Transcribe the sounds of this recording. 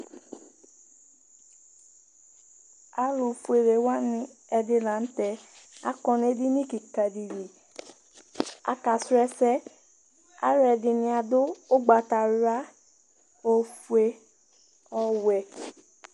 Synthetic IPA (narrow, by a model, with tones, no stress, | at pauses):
a˨lu˨fu˨e˨ɾe˨wa˦nĩ˦ɛ˧dɪ˧lã˨n̩˦tɛ˨a̰˨˦kɔ˧n˦e˦di˦nĩ˦ki˨ka˨di˨di˨ | a̰˨ka˨sɛ˦sɛ˦ | a̰˨ɾɛ˨dɪ˨nɪ̃˦a˨dʊ˦ʊ˦ɡ͡ba˨ta˨ɾa˦ | o˨fu˨e˨ | ɔ˦wɛ˨